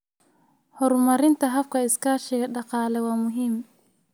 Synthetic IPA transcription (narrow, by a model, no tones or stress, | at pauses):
hɔɾmaɾintaɦafkaiskaːʃɛɡɛɗaqaːlɛwamuɦim